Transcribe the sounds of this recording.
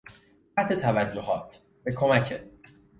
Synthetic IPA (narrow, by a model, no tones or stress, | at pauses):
æt̪ʰe̞t̪ʰævæd͡ʒːoɦɒːt̪ʰ | b̥e̞kʰo̞mæcʰe